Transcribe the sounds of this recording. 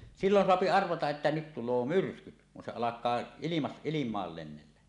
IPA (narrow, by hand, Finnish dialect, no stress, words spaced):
silːon soɑpi ɑrʋɑtɑʔ ʔetːæ nyt tulˑoː myrskyt kun se ɑlɑkˑɑː ilimɑs ilimˑɑːl lenːelːæ